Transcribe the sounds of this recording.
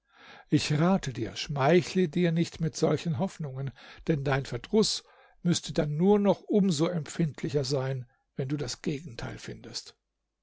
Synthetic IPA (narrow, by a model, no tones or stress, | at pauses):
ʔɪçʁaːtʰədiːɐʃmaɪçlədiːɐnɪçtmɪtz̥ɔlçən̩ɦɔfnʊŋənd̥ɛndaɪnfɛɐdʁʊs | mʏstʰədanːuːɐnɔχʔʊmzoːɛmp͡fɪntʰlɪçɐzaɪn | vɛnduːdasɡ̥eːɡŋ̩tʰa̰ɪlfɪndəst